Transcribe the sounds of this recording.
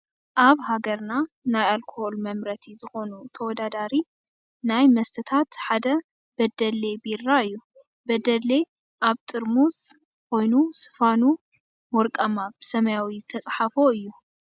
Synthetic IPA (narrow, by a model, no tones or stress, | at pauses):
ʔaβɦaɡɐɾna | najalkʰoho̞lmɐmɾɐt̪ʰizɨxo̞nut̪ʰɐwɔd̪ad̪aɾi | najmɐst̪ʰɐt̪ʰat̪ħad̪ɐ | b̥ɐd̪ɐlebiɾːaɨjːu | bɐd̪ɐle | ʔaβt̪ʼɨɾmus | ko̞jnusɨ̥fanu | mɔɾkʼɐmab̥ɨsɐmɐjawizɨt̪ʰɐt͡sʼaħafoɨjːu